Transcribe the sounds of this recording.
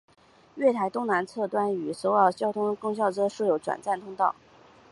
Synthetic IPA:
ɥɛ˥˩t̪ʰa˧˥ɪt̪ʊ˥ŋna˧˥nt͡sʰɤ˥˩t̪wa˥ny˨˩so˧˥ʊjɑ˧˥˩ʊt͡ɕjɑ˥ʊt̪ʰʊ˥ŋkʊ˥ŋɕ̬jɑ˥˩ʊʈ͡ʂɤ˥ʂ̩˥˩jo˧˥ʊʈ͡ʂwa̰˨˩nt͡sa˥˩nt̪ʰʊ˥ŋt̪ɑ˥˩ʊ

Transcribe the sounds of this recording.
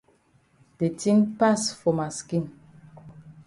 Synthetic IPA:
d̥e˨tĩ˦npa˦sfɔ˨ma˨skĩ˦˨n

